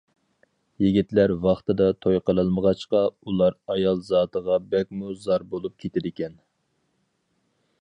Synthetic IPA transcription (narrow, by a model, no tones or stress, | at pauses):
jiɡʲit̪læɾwɑχt̪ɨd̪ɑt̪ʰojqəlˠəlˠməʁɑt͡ʃqɑulˠɑɾɑjɑlˠzɑːt̪ʰəʁɑbɛk̚ʲmuzɑɾbolˠup̚kʲʰet̪ʰɪd̪ɪkʲɛn